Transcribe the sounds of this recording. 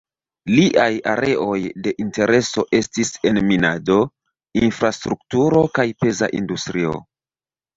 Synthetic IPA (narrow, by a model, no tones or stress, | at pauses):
liʔajaɾe̞ʔo̞jde̞ʔinte̞ɾe̞so̞ʔe̞stise̞nminado̞ | infɾastɾuktuɾo̞kajpe̞za̰ʔḭndustɾio̞̰